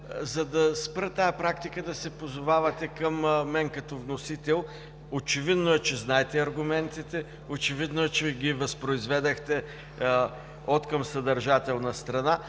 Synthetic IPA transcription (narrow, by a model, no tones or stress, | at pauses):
zɐd̪ɐspɾət̪ajɐpɾakt̪ikəd̪ɐsɛpozʊvavɐt̪ɛkɐmːɛnkɐt̪ɔvnosit̪ɛlˠ | ot͡ʃɛvid̪noɛt͡ʃɛznaɛt̪ɛɐɾɡʊmɛnt̪it̪ɛ | ot͡ʃɛvid̪noɛt͡ʃɛɡʲivɐspɾoizvɛd̪ɛxt̪ɛ | ot̪kɐmsɐd̪ɐɾʒat̪ɛlˠnɐst̪ɾɐna